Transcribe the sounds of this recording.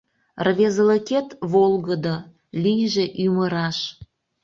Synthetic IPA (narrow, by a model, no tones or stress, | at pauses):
rβezələket̪βolɣəd̪o | lʲijʒeʔyməɾɑʃ